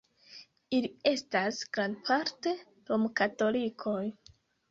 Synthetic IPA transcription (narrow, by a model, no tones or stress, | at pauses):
ilie̞stasɡ̥ɾandpʰaɾte̞ | ɾomkato̞likʰo̞j